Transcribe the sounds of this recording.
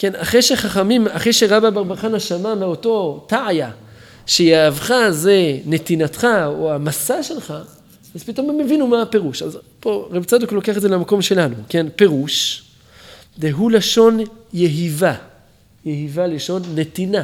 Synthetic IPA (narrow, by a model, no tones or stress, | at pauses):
ke̞naχejʃeχaχamimaχejʃeʁababaʁbaχanaʃamameo̞to̞taja | ʃejaːvχaze̞ne̞t̪inatχaoamasaʃe̞lχa | azpito̞memːevinumape̞ʁuʃazpoʁebt͡sadoklokeaχetdzelamako̞mʃe̞lanuke̞npe̞ʁuʃ | veɦulaʃo̞njeɦiva | jeɦivaleʃo̞nːe̞t̪ina